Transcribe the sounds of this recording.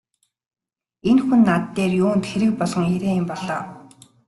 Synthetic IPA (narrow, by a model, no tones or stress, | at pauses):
enxunːat̪ːeːrjoːnt̪xeɾɘ̆k̚pɔɮɞ̆ŋeɾeːɪmpɔɮɔː